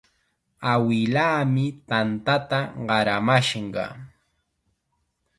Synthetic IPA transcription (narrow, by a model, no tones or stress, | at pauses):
awɪlaːmɪt̪ant̪at̪aɢɑɾamaʃɢɑ̰